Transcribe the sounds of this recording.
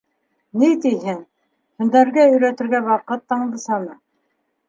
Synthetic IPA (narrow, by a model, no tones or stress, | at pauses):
nit̪iɦɘŋ | hɵ̆nd̪æɾɡæɵ̆jɾæt̪ɘ̆ɾɡæwɑqɤt̪ːɑɴlˠɤ̆sɑnɤ